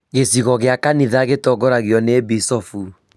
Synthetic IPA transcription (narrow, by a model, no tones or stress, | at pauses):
ɣesiɣɔɣeakaniðaɣetɔɡɔɾaɣjɔnebisɔfu